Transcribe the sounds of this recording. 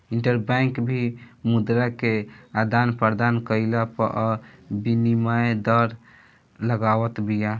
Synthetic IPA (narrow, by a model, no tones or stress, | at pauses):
iɳʈəɾbaŋkbʱimud̪ɾakead̪anpəɾd̪ankəilapəʔɔbinimaed̪əɾ | ləɡawət̪bija